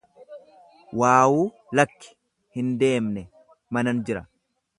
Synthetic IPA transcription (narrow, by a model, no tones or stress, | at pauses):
waːwuː | lɐkːɪ̥ | hɪnd̪e̞ːmnɛ | mɐnɐnd͡ʒɪɾɐ